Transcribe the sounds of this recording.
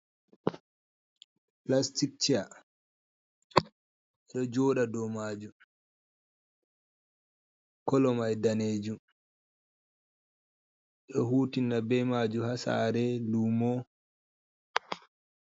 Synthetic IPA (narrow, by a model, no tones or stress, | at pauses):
plastik̚t͡ʃia | ʔɛɗɔd͡ʒɔɗadɔmaːd͡ʒu | kɔlɔmajdaneːd͡ʒu | ɗɔhuːtinːabɛmad͡ʒuhasa̰ːɾɛluːmɔ